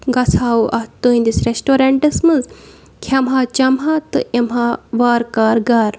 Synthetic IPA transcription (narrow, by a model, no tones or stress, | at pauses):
ɡɐsʰaːwʔɐt̪uĩnd̪isɾesʈoɾeɳʈɐsmɨnz | kʰɐmɦaːt͡ʃɐmɦat̪ɨʔemɦaʋaːɾkaːɾɡaːɾ